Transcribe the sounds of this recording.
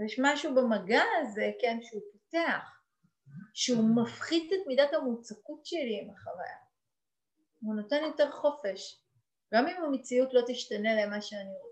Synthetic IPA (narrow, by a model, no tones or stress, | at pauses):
jeʃmaʃubemaɡaːze̞kenʃeupoteaχ | ʃeumafχid̪etmidathamut͡sakutʃeliːmaχava̰ja | uno̞te̞njo̞te̞ʁχo̞fe̞ʃ | ɡamimamet͡siutlo̞t̪iʃtane̞le̞maʃeanio